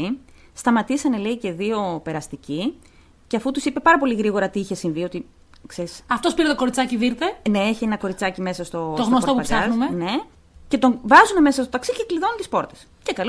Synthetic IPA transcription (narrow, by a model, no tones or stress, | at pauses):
i | st̪ɐmɐt̪isɐneleice̞ðio̞pe̞ɾɐst̪ici | ceɐfut̪usipepɐɾɐpo̞liɣɾiɣo̞ɾɐt̪iiçe̞siɱvio̞t̪i | kseɾisɐft̪ospiɾet̪oko̞ɾit͡sɐciðiɾt̪ene̞eçienɐko̞ɾit͡sɐcime̞sɐst̪o̞t̪oɣnost̪ɐpuɐpsɐnumene̞ | ce̞t̪o̞ŋvɐzuneme̞sɐst̪o̞t̪ɐksicekliðo̞nunt̪ispo̞ɾt̪e̞̥scekɐl